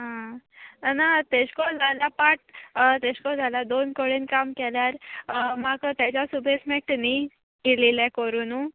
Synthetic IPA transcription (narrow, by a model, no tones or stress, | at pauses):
ɦã | nat̪eɕkɔd͡zʱalapaʈ̚t̪eɕkɔd͡zʱalad̪onkoɭinkamkɛljaɾmaɡt̪jat͡ɕasubʱesmek̚ʈni | ilelɛkəɾuːnu